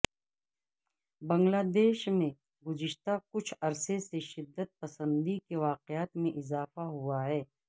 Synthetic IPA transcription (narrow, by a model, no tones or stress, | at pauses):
bɐ̃ŋɡlaːd̪eːʃmẽ | ɡʊzɪʃt̪akʊt͡ʃʰɐɾseseʃɪd̪ːət̪̚pɐsə̃nd̪ikeʋaːqɪjaːt̪mẽʔɪzaːfaɦuaɦɛː